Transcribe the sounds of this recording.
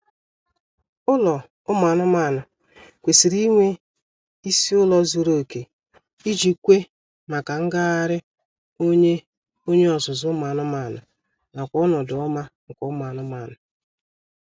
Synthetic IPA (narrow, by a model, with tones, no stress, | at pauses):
ʊ˦lɔ˨ | ʊ˦ma˨nʊ˦ma˦˨nʊ˨ | kʷe˨si˨ɾi˦ŋʷe˦ | i˦si˦ʊ˦lɔ˦zu˨ɾo˦˨ke˨ | i˦d͡ʒi˨kʷe˦ | ma˨ka˨ŋ̩˦ɡa˦a˦ɾɪ˦ | o˦ɲe˦ | o˦ɲe˦ɔ˨zʊ˨zʊ˦ma˨nʊ˦ma˨nʊ̰˨ | na˨kʷɔ˦nɔ˨dʊ˨ɔ˦ma˦ŋ̩˨kɔ˨ʊ˦ma˨nʊ˦ma˨nʊ˨